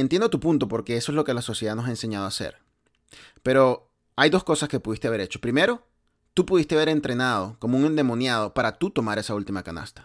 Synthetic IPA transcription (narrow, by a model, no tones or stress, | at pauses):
ent̪jend̪ot̪upunt̪o̞po̞ɾke̞esoe̞zlo̞kelaso̞sjeðanosaense̞ɲað̞oasḛɾ | pe̞ɾo̞ | ajðo̞sko̞saske̞puðist̪eaβe̞ɾe̞t͡ʃo̞̥pɾime̞ɾo̞ | t̪upuðist̪eβe̞ɾe̞nt̪ɾe̞nað̞o̞ko̞mouŋe̞nd̪e̞mõ̞njað̞o̞paɾat̪ut̪o̞maɾe̞sault̪imakana̰st̪ḁ